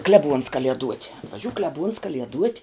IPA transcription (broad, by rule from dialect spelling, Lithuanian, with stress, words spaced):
ˈklʲæːˌbuɔns ˈkɑːlʲiɛduɔtʲ ɐtʋɐˈʒʲuː ˈklʲæːˌbuːns ˈkɑːlʲiɛduɔtʲ